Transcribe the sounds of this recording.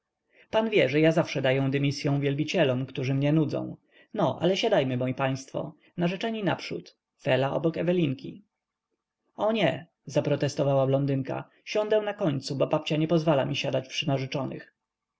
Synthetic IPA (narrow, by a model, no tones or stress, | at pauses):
panvʲjɛʐɛjazafʂɛd̪ajɛw̃d̪ɛmʲisʲjɔ̃w̃vʲjɛlbʲit͡ɕɛlɔmkt̪uʐɘmɲɛnud̪zɔ̰̃w̃ | nɔʔa̰lɛɕad̪ajmɘmɔjipaj̃st̪fɔ̰ | naʐɛt͡ʂɛɲina̰pʂṵt̪ | fɛlaʔɔ̰bɔkɛvɛlʲiŋkʲi | ɔɲɛ | zapɾɔt̪ɛst̪ɔvawablɔnd̪ɘŋka̰ | ɕɔ̃nd̪ɛw̃nakɔɲt̪subɔbap̚t͡ɕaɲɛpɔzvalamʲiɕad̪at͡ɕpʂɘnaʐɛt͡ʂɔnɘ̰x